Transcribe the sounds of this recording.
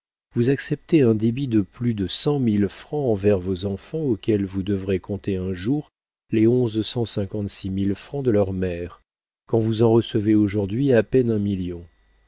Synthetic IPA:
vuzaksɛp̚t̪eɛ̃d̪ebid̪əplyd̪əsɑ̃milfχɑ̃ɑ̃vɛʁvozɑ̃fɑ̃okʲɛlvud̪əvʁekɔ̃t̪eɛ̃ʒuʁ | leɔ̃zsɑ̃sɛ̃kɑ̃t̪similfχɑ̃d̪əlœʁmɛʁ | kɑ̃vuzɑ̃ʁəsəveoʒuʁd̪ɥiapɛnɛ̃miljɔ̃

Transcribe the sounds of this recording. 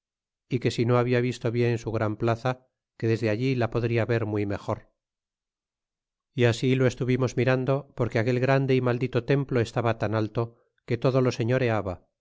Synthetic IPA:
ike̞sino̞aβiaβist̪o̞βje̞nensuɣ̞ɾamplaθa | ke̞ðe̞zðeaʎilapoðɾiaβe̞ɾmwime̞xo̞ɾ | iasilo̞e̞st̪uβimo̞zmiɾand̪o̞po̞ɾkeake̞lɣɾand̪eimald̪it̪o̞t̪e̞mplo̞e̞st̪aβat̪analt̪o̞ | ke̞t̪o̞ðo̞lo̞seɲo̞ɾe̞aβa

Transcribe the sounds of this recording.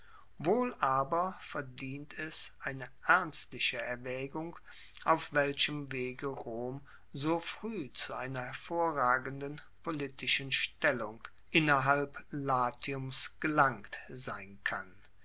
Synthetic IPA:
voːlʔaːbɐfɛɐdiːntʰɛsʔaɪnəʔɛɐnstlɪçəɛɐvɛːɡʊŋ | ʔaʊfv̥ɛlɕəmveːɡəʁoːm | zoːfʁ̥yːt͡suʔaɪnɐhɛɐfoːɐʁaːɡəndənpʰolitʰɪʃənʃtɛlʊŋ | ʔɪnɐɦalplaːtʰiʊmsɡ̥əlaŋktz̥aɪnkʰa̰n

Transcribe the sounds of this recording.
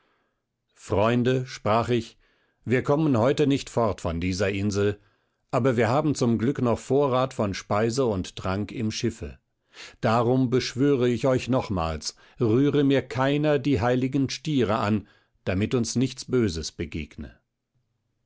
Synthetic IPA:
fʁ̥ɔʏndəʃpʁ̥aːχɪç | viːɐkʰɔmənɦɔʏtənɪçtfɔʁtfɔndiːzɐʔɪnzl̩ | ʔaːbɐviːɐɦaːbm̩t͡sʊmɡlʏknɔχfoːɐʁaːtfɔnʃpaɪzəʊnttʁ̥aŋkɪmʃɪfə̰ | d̥aːʁʊmbəʃv̥øːʁəɪçɔʏçnɔχma̰ːls | ʁyːʁəmiːɐkʰaɪnɐdiːɦaɪlɪɡən̩ʃtiːʁəʔan | d̥amɪtʊnsnɪçt͡sb̥øːzəsb̥əɡḛːɡnə̰

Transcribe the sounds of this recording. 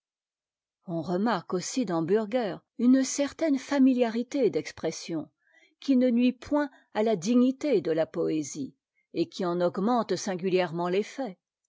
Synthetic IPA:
ɔ̃ʁəmaʁkosid̪ɑ̃byʁɡœːʁ | ynsɛʁt̪ɛnfamiljaʁit̪ed̪ɛkspχɛsjɔ̃ | kʲinənɥipwɛ̃ | alad̪iɲit̪ed̪əlapɔezi | ekʲʰiɑ̃nɔɡmɑ̃t̪sɛ̃ɡʲyljɛʁmɑ̃lefɛ

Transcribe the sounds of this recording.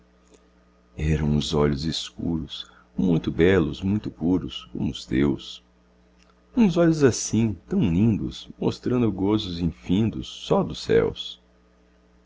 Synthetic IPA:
ɛɾɐ̃w̃ʊzɔʎʊzɪskṵɾʊs | mũj̃t̪ʊbɛlʊsmũj̃t̪ʊpuɾʊskõ̰mʊʊst̪ews | ũzɔʎʊzasĩt̪ɐ̃w̃lĩnd̪ʊ̰smost̪ɾɐ̃nd̪ʊɡozʊzĩfĩnd̪ʊsːɔd̪ʊsɛ̰ws

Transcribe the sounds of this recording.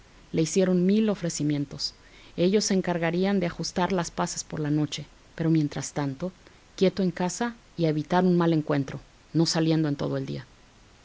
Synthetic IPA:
le̞isje̞ɾo̞nmilo̞fɾe̞simjẽ̞nt̪o̞s | e̞ʝo̞sːeːŋkaɾɣaɾiand̪e̞axust̪aɾlaspase̥spo̞ɾlano̞t͡ʃe̞ | peɾo̞mje̞nt̪ɾast̪ant̪o̞ | kje̞t̪oe̞ŋkasa | ieβit̪aɾunmale̞ŋkwe̞nt̪ɾo̞ | no̞salje̞nd̪oe̞nt̪oð̞oe̞ld̪ḭa

